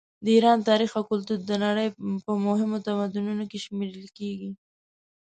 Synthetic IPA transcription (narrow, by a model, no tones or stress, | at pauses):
d̪əiɾɑnt̪ɑɾixakʊlt̪uɾd̪ənaɽəjpəmʊɦɪmot̪amad̪ununokeʃmeɾəlkeɡi